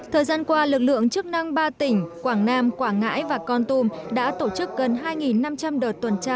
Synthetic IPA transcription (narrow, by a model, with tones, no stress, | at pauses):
t̪ʰəː˨˩jzaː˧nkwaː˧lɨ˨˩k̚lɨ̰˧˨əŋt͡ɕɨ˦˥ək̚na˧ŋɓaː˧t̪ï˧˩ŋ̟kwaː˧˩ŋnaː˧mkwaː˧˩ŋŋːa̰ː˧˥jvaː˨˩kɔ˧nt̪u˧mɗa̰ː˧˥t̪o˧˩t͡ɕɨ˦˥k̚ɣə˨˩nɦaː˧jŋi˨˩nːa˧mt͡ɕa˧mɗəː˨˩t̚t̪ːwə˨˩nt͡ɕaː˧